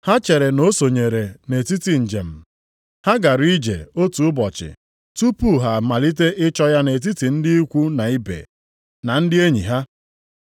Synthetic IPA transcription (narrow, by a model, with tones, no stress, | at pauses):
ha˦t͡ʃe˨ɾe˨no˦so˨ɲe˨ɾe˨ne˨ti˦ti˨n̩˨d͡ʒḛ˨m̩˨ | ha˦ɡa˨ɾi˦d͡ʒḛ˨o˦tu˨ʊ˦bɔ˨t͡ʃɪ̰˨ | tu˦pu˦ɦa˨ma˨li˦t̬e˦ʔɪ˦t͡ʃɔ˦ja˦ne˨t̬i˦ti˨n̩˦dɪ˦i˦kʷu˦na˨i˦bḛ˨ | na˨n̩˦dɪ˦e˦ɲḭ˨ɦa˦